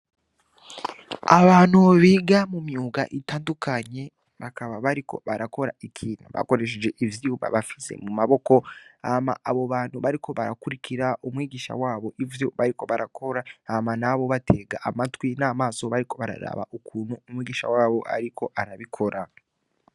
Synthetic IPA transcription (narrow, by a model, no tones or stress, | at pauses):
aβaːn̥huβiːɡamumjuːɡa̰ʔitaːndukaɲe̞ | βakaβaβaɾiko̞̰βaɾako̞ɾa̰ikʰiːnaβa̰ko̞ɾe̞ʃ̬ed͡ʒe̞ʔivjiuβa̰βafi̥zḛmumaβo̞ko̞ahma̰ʔaβo̞βaːn̥huβaɾiko̞βaɾakuɾikʰiɾaʔumŋiːɡiːʃa̰waːβo̞ʔivjo̞βaɾiko̞βaɾakʰo̞ɾaahmanaβo̞βatʰe̞ːɡaʔamatwinaːmaːso̞βaɾiko̞βaɾa̰ɾa̰βa̰ʔukuːn̥huːmwiːɡiːʃa̰waːβo̞ʔa̰ɾikʰo̞ʔaɾaβikʰo̞ɾa